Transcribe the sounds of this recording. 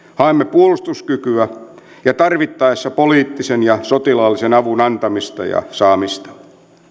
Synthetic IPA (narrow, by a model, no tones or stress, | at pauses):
hɑemːepuolust̪uskykyæ | jɑt̪ɑrʋit̪ːɑesːɑpoliːt̪ːisenjɑsot̪ilɑlːisenɑʋunɑnt̪ɑmist̪ɑ̰jɑ̰sɑːmist̪ɑ̥